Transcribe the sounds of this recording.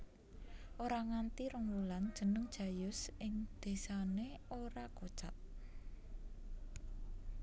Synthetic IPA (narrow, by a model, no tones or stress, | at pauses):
ʔoɾaŋant̪iɾəŋluland̥ʒ̥ə̤nəŋd̥ʒ̥ä̤jʊsʔɪŋd̪̥e̤saneoɾako̥t͡ʃat̪̚